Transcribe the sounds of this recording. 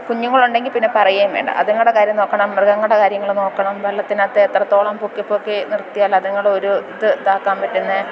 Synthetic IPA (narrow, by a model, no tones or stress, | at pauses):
kuɲːuŋːɐɭuɳɖe̞ŋɡilpinːepɐrɐjeːmʋḛːɳɖɐ̰ʔɐ̰ðeŋːɐɭuɽe̞kaːɾjɐmno̞ːkːɐɳɐmːrɨɡɐŋːɐuɽekaːɾjɐŋːɐɭno̞ːkːɐɳɐmʋɐlːɐt̪ːinat̪ːeːt̪rɐt̪ːo̞ːɭaːmpukːipːokːenirt̪ijaːlːɐðɐŋːɐɭeoɾuiðɨd̪aːkːaːmpɐtːunːɐ